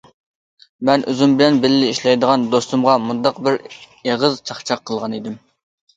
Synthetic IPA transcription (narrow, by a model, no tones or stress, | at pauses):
mɛnʔøzymbɪlɛnbɪlɪlɪiʃlɛjd̪əʁɑnd̪ost̪umʁɑmund̪ɑqbɪɾ | eʁəzt͡ʃʰɑχt͡ʃʰɑqʰːəlˠʁɑnid̪ɪm